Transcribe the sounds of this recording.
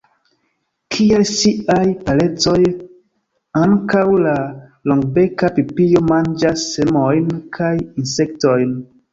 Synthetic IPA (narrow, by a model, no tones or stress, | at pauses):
kʰielsiajpalet͡so̞j | aŋkawlaloŋɡbekapipijo̞mand͡ʒasːemojnkʰajinse̞k̚tojn